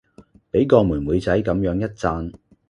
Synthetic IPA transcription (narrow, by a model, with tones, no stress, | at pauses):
pe˨˥jkɔː˧muː˨˩nmuː˨˧jt͡sɐ˨˥jkɐ˨˥mjœː˨˧˥ŋjɐ˥t̚t͡saː˧n